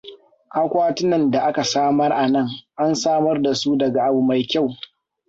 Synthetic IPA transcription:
ʔa˦kʷaː˦tɪ˦nɐ˨nda˨ʔa˦ka˨saː˦mɐ˦rʔa˨nɐ˦ŋʔa˦nsaː˦mɐ˦rda˨su˦dɐ˨ɡa˨ʔa˨bʊ˨ma˨jkʲa˦˨w

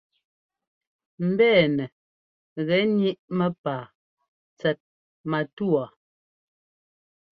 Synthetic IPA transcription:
m̩˨bɛː˦˨nɛ˨ | ɣɛ˨˦ni˦ʔmə˦paː˨ | t͡sɛ˨t̚ | ma˨tu˦a˨

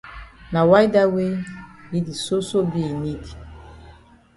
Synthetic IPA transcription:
na˨wa˦i˦da˦we˦i˦di˨so˦so˦bi˦˨ni˦di˨

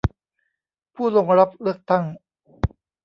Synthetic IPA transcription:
pʰuː˥˩lo˧ŋɾa˦˥p̚lɯ˥˩ək̚t̪a˥˩ŋ

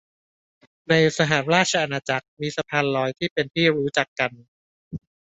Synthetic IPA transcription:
na˧jsa˧ɦaː˩˦nɾaː˥˩t̪̚t͡ɕʰa˧ʔa˧naː˧t͡ɕa˨˩k̚miː˧sa˧pʰaː˧nlɔː˧˥jt̪ʰiː˥˩pe˧nt̪ʰiː˥˩ɾuː˦˥t͡ɕa˨˩kːa˧n

